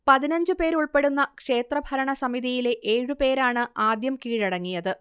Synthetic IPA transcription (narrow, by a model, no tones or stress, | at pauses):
pɐðinɐɲd͡ʑɨpe̞ːɾuɭpe̞ɽunːɐkʂe̞ːt̪rɐbʱɐɾɐɳɐsɐmiðijile̞ʔeːɻupe̞ːɾaːɳɨaːd̪jɐmkiːɻiɽɐŋːijɐðɨ